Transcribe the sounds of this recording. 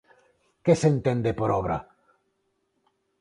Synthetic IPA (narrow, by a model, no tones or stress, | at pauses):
kesent̪end̪epoɾoβɾa̰